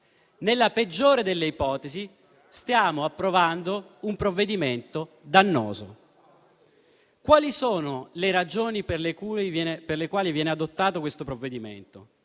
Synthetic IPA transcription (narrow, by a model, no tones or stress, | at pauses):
nelːaped͡ʒːoːɾed̪elːeipɔːt̪ezi | st̪jaːmoapːɾovand̪oumpɾovːed̪iment̪o | d̪anːo̰ːzo̰ | kwaːlisoːnoleɾad͡ʒoːniperlekuɛperlekwaːlivjɛːnead̪ot̪ːaːt̪okwest̪opɾovːed̪imḛnt̪o